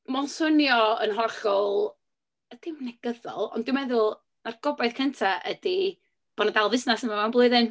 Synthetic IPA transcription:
mɔlˠsʊnjɔə̰nɦɔrχɔlˠ | əd̥ɪmnɛɡ̥əðɔ̰lˠɔ̰nd̥ɪwmɛðʊlˠ | narɡ̥ɔbajðkʰəntʰaʔədi | b̥ɔnadalˠvɪsnasənmamanblˠʊɨðɪn

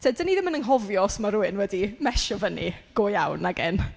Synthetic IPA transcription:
tʰeːdəniðɪmənənɦɔvjɔsmaɾuɨnwɛdimɛʃɔvənḭɡ̥oːjawnːaɡɛn

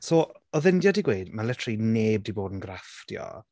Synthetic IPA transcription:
soː | ɔðɪndjadiɡweɨdmalətʰrineːb̚diboːdənɡrafd̥ḭɔ̰

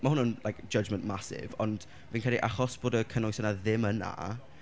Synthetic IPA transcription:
mahʊnənlˠajkd̥d͡ʒ̥əd͡ʒmənʔmasɪ̰vɔnd̥ | viːnkɛliʔaχɔsb̥oːdəkʰənɔjsənaðɪməna̰

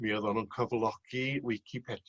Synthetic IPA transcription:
miəðɔnunkʰəvlˠɔɡ̥iwɪjkʰipʰɛd

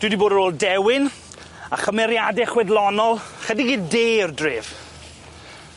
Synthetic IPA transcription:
d̥wɨdiboːdəɾoːlˠdɛwɪn | aχəmɛɾjadɛχwɛdlˠɔnɔlˠχədiɡiːdeːrdreːv̥

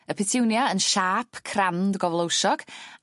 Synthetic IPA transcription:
əpʰɪtʰɪwnjaənʃaːpʰkʰrandɡɔvlˠowʃɔɡ̥

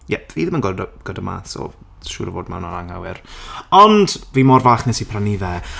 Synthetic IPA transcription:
jɛviːðɪmənɡɔdɡ̥ədəma̰ːθɔ̰ | ʃʊ̰ːɾəvoːdmɛ̰wnaɾaŋhawɪɾɔndviːmɔrvaːχnɛsipʰraniðɛ

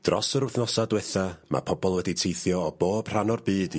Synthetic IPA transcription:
d̥rɔ̰səɾʊθnɔsadwɛθamʔa̰pʰɔbɔlˠwɛditʰejθjɔːb̥oːb̥r̥anɔrbɨːd̥

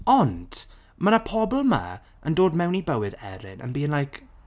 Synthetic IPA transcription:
ɔnd̥ | mənapʰɔbl̩ˠma̰ | əndoːdmɛwnibəwɨdɛ̰ɾɪ̰nə̰nbiːənlajkʰ

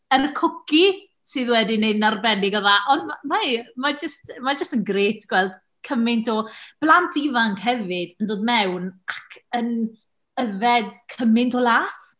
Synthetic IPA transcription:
əɾəkʰʊkʰi | sɨːðwɛdinednarbɛnɪɡɔðaʔɔndmamamad͡ʒəstmad͡ʒəstənɡreːtʰɡ̥wɛlˠd̥ | kʰəmɪntʰɔb̥lˠantʰivaŋkhɛvɨdəndoːdmɛwnakʰən | əvɛdkʰəmɪntʰɔlˠaːθ

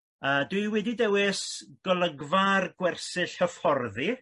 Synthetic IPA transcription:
əːdwɨɨwɛdidɛwɪsɡ̥ɔlˠəɡvarɡwɛrsɨɬhəfɔrði

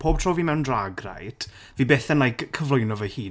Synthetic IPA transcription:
pʰoːb̥̚tʰroːviːmɛwndraɡra̰jd̥ | viːbɛθɛnajkʰəvlˠojnɔvəhiː

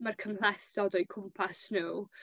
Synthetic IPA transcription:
markʰəmlˠɛθɔdɔjkʰʊmpʰasnuː

